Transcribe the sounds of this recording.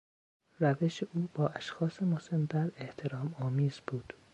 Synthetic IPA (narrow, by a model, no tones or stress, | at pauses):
ræveʃeuːb̥ɒːʔæʃxɒːsemosemd̪æɾeht̪ʰeɾɒːmɒːmiːzbuːd̪̥